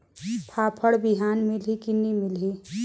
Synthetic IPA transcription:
pʰaːpʰəɽbiɦaːnmɪlɦikinimɪlɦi

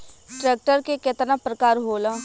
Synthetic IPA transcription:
ʈɾeːk̚ʈəɾkekɪt̪napɾəkaːɾɦoːlãː

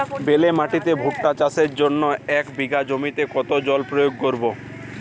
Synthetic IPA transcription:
belemaʈit̪ebʱuʈːat͡ɕaseɾd͡ʑonːoɛkbiɡad͡ʑomit̪ekɔt̪od͡ʑɔlpɾojoɡ̚koɾbo

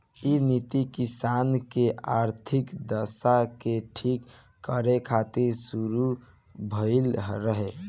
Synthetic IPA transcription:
init̪ikisankeʔaɾt̪ʰikd̪əsakeʈʰikː | əɾekʰat̪iɾsuɾu | bʱəɪlɾəɦe

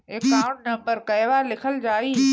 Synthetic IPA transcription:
ekaːʊ̃ɳʈnɐ̃mbəɾkɐjʋaːlɪkʰəld͡ʑaːiː

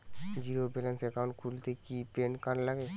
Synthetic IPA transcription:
d͡ʑiɾobelanseɾkaonkʰult̪ekipenkanlaɡe

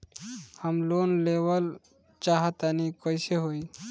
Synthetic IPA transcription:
həmloːnleʋəl | t͡ʃaɦət̪anikɔjseɦoi

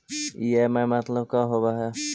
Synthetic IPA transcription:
jemɛ̃mɐt̪ləb̚kaɦobaɦɛ

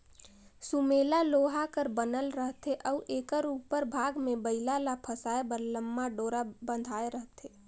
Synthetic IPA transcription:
sumelaloːɦakəɾbənəlɾəɦt̪eʔɔuʔeːkəɾuːpəɾbʱaːɡmẽbəɪlalapʰəsaːebəɾləmːaɖoːɾabənd̪ʱaːeɾəɦt̪e

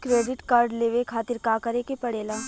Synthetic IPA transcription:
kɾeːɖɪʈkaːɾɖleːʋekʰaːt̪ɪɾkaːkɐɾeːkepɐɽeːlaː

